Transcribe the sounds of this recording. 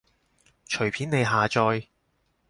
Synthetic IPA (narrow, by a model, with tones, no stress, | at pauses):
t͡ʃʰɵ˨˩ɥpʰiː˨˥ne˨˧jɦaː˨t͡ʃɔː˧j